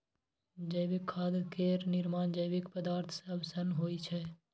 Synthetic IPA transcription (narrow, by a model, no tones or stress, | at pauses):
d͡ʒəɪʋɪkʰːaːd̪keːɾnɪɾmaːnd͡ʒəjʋɪkpəd̪aːɾt̪ʰseɐbsənɦoːit͡ʃʰɛ